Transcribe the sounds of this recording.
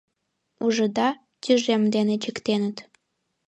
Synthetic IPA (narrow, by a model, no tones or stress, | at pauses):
uʒɤ̆d̪ɑ | t̪ʲyʒemd̪enet͡ɕə̆kt̪enə̆t̪